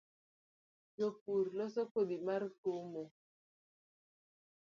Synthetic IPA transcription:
d͡ʒop̚uɾlɔsɔkodimaɾkomo

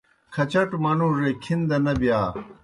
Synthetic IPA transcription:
kʰɐt͡ɕɐʈmɐnuɾekʰind̪ɐnɐbjaː

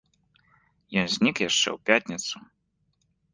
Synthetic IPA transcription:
jɔnzʲnʲikjaʂt͡ʂɛ̰wpʲat̪ʲnʲɛt̪su

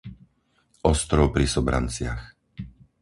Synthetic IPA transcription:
ʔɔst̪ɾɔʊpɾisɔbɾa̰nt͡sɪax

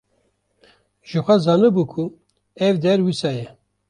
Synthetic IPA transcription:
ʒ̥ɨxʷɛzɑːnɨbukʰu | ɛvd̪ɛɾwisɑːjɛ

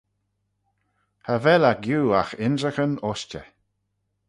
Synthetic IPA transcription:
həvɛlaɡjuːa̰xɪnzəxənɔst͡ʃə̰

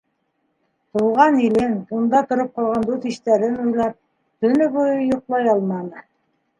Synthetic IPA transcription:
t̪ulˠʁɑnilɘnt̪und̪ɑt̪ŏɾop̚qɑlˠʁɑnd̪uθiʃt̪æɾɘnujlˠɑp̚ | t̪ɵ̆nɵβujɤjŏqlˠɑjɑlˠmɑnɤ

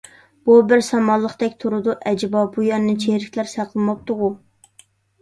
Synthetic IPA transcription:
b̥ubɪɾsɑmɑlˠːəχt̪ɛkʲt̪ʰuɾʊd̪uʔɛd͡ʒbɑbujɛɾnɨt͡ʃʰehɾɪkʲlæɾsæqʰlˠɨmɑp̚t̪ʊʁʊ

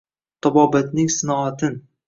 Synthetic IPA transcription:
t̪ʰɒbɒbat̪nɪŋsɪnɒat̪ʰɪn

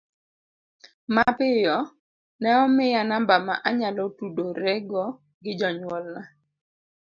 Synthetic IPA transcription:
mapɪjɔ | nɛɔmɪjanambama̰ʔaɲalɔtudoɾɛɡɔ | ɡɪd͡ʒɔɲwɔlna

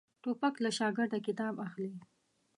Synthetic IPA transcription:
ʈopaklaʃɑɡɪɾd̪akɪt̪ɑbaxli

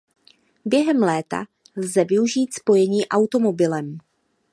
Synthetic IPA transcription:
bjɛɦɛmlɛːt̪a̰ | lzɛvɪuʒiːt̪spo̞jɛɲiːʔawt̪o̞mo̞bɪlɛm

